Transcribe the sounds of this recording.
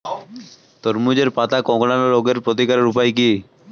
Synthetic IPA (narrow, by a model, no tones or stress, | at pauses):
t̪ɔɾmud͡ʑeɾpat̪akɔ̃ɡɽanoɾoɡeɾpɾot̪̬ikaɾeɾupajki